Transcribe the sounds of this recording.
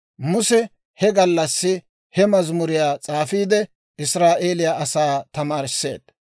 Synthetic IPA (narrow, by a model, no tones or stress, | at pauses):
mʊsɛ | hɛɡɐlːɐsːɪ | hɛmɐzmʊɾɪjaːt͡sʼaːfiːd̪ɛ | ʔɪsɾaːʔe̞ːlɪjaːʔɐsaːt̪ɐmaːɾɪsːe̞̰ːd̪̥